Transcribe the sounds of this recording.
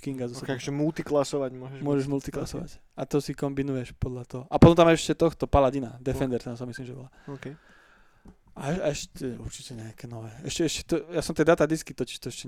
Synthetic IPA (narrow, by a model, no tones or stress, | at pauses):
kiŋɡazɔkkʒɛmult̪iklasɔʋaɟmʊɔʒɛʒmʊɔʒɛʒmult̪iklasɔʋa̰c | at̪ɔsikɔmbinujɛʃpɔd̪ʎat̪ɔɦɔʔapɔt̪ɔmt̪amaɛʃcɛt̪ɔxt̪ɔpalaɟinad̪ɛfɛnd̪ɛɾt̪ɛnsamislimʒɛbɔ̰laɔk | aɛaɛʃcɛṵɾt͡ʃicɛɲɛakɛnɔʋɛːɛʃcɛɛʃcɛ̥t̪ɔjasɔmt̪ɛd̪aːt̪ad̪iskit̪ɔci̥ʃt̪ɔɛʃcɛ